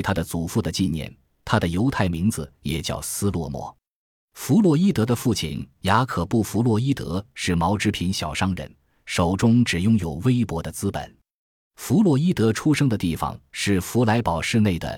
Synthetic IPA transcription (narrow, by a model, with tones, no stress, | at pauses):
ɪt̪ʰa˥d̪ə˨t͡su˨˩fu˥˩d̪ə˩t͡ɕi˥˧njɛ̰˥˩n | t̪ʰa˥d̪ə˨jo˧˥ʊt̪ʰa˥˩ɪmi˧˥ŋd͡zɹ̩˧jɛ˨˩t͡ɕjɑ̰˥˩ʊsɹ̩˥lwɔ̰˥˩mwɔ̰˥ | fu˧˥lwɔ˨˥i˥t̪ɤ˧˥d̪ə˧fu˥˩t͡ɕʰḭ˨˩nja˧˥kʰɤ˨˩pu˥˩fu˧˥lwɔ˧˥i˥t̪ɤ̰˧˥ʂɻ̩˥˩mɑ˧˥ʊʈ͡ʂɻ̩˧˥pʰi˧˥nɕjɑ˨˩ʊʂɑ˥ŋɻə̰˧˥n | ʂo˨˩ʊʈ͡ʂʊ˥ŋʈ͡ʂɻ̩˨˩jʊ˥ŋjo˨˩ʊwe˥ɪpwɔ˧˥d̪ə˧t͡sɹ̩˥pə̰˨˩˦n | fu˧˥lwɔ˥˩i˥t̪ɤ˧˥ʈ͡ʂʰu˥ʂɤ˥ŋd̪ə˨t̪i˥˩fɑ̰˩ŋʂɻ̩˥˩fu˧˥la˧˥ɪpɑ˨˩ʊʂɻ̩˥˧ne˥˩ɪd̪ə̰˩